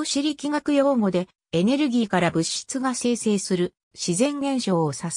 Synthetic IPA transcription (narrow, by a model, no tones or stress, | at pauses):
oɕiɾʲikʲiŋakɯ̟jo̞ːŋo̞d̪e̞ | ene̞ɾɯ̟ɡʲiːkaɾabɯ̟ɕi̥t͡sɨɡase̞ːse̞ːsɨɾɯ̟ | ɕizẽ̞ŋɡẽ̞ɰ̃ɕo̞ːosas